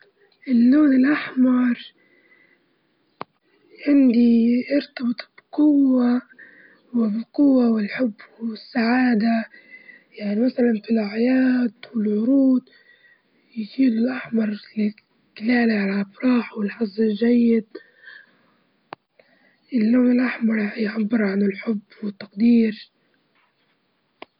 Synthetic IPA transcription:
ʔɪlːoːnɪlʔaħmɑɾˤ | ʕɪnd̪iʔɑɾt̪ɑbɨt̪ˤbqʊwːa | wɪbqʊwːawɪlħʊbːɪsːaʕaːd̪a | jaʕnimasalanfilʕajaːd̪wɪlʕʊɾuːd̪ | jd͡ʒiːlʊlʔaħmɑɾˤlɪ | kɪlaːliʕalaʔfɾˤɑːħwɪlħɑzˤːɪlʒajːɪd̪̚ | ʔɪlːoːmɪlʔaħmɑɾˤjʕabːɪɾʕanɪlħʊbːwɪt̪ːaqd̪iːɾ

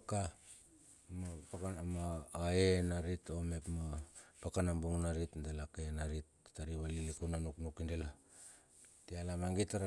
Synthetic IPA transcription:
ka | mapakmaːenaɾitomepmapakanambuŋnaɾitndelakenaɾit̚ | taɾiβalilikunanuknukindela | tialamaŋɡitaɾ

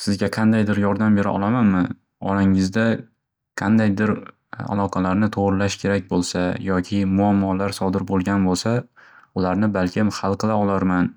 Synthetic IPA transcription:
sɪzɡʲaqʰɑnd̪ajd̪ɪɾjɒɾd̪ambe̞ɾɪʔɒ̰lˠamanmɪ | ɒ̰ɾaŋɪzd̪a | qʰɑnd̪ajd̪ɪɾ | a̰lˠɒqʰɑlaɾnɪt̪ʰoʁɾɪlaʃkʲʰe̞ɾak̚ʲbolˠsajɒkʲʰɪmʊamːɒlaɾsɒd̪ɪɾbolˠɡʲanbolˠsaʊlaɾnɪbalkʲʰɪmhɑlˠqɨlˠaɒlˠaɾman

